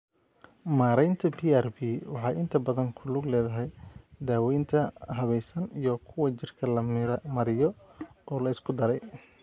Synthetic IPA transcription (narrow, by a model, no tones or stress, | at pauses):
maːɾɛjnt̪ʰɐbiːɛrbiːwɑħɑːjɪnt̪ʰɐbɐðɐŋkʰʊlʊɡlɛːðɐɦɛjd̪aːwɛjnt̪ʰɐɦɐβɛjsɐnijɔkʰʊwɐt͡ʃɪrkʰɐlɐmɾmɐɾɪjɔʔɔːlɐɪskʰʊd̪ɐɾɛj